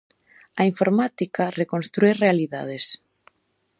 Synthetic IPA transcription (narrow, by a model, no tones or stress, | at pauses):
ɐiɱfoɾmat̪ikarekõnst̪ɾuerealiða̰ð̞es